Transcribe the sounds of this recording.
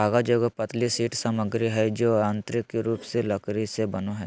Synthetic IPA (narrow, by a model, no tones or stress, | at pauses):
aːɡad͡ʒoːɡopɐt̪lisiːʈsɐməɡɾiɦɛd͡ʒoːãːnt̪ɾɪkːeɾuːpselɐkɾisebɐnoɦɛː